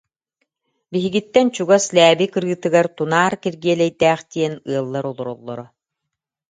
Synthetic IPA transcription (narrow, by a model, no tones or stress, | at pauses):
biɦiɡit̪ːɛnt͡ɕuɡaslæːbikɯɾɡɯt̪ːɯɡaɾt̪unaːɾkiɾɡiɛlɛjd̪æːχt̪iɛnɯɐlˠːaɾɔlˠɔɾɔlˠːɔ̰ɾɔ